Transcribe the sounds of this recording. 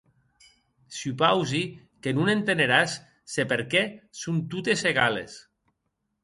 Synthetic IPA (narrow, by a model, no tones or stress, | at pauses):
syupawzi | kenunent̪eneɾasː | epeɾkɛsunt̪ut̪eseɣalḛs